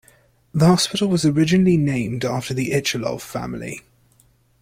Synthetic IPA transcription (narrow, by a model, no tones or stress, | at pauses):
ðəhɒspɪtl̩ˠwɒzəɹɪd͡ʒɪnəlinẽɪ̃mdɑˑftəðiʔɪt͡ʃəlɒ̰v̥fa̰mlḭ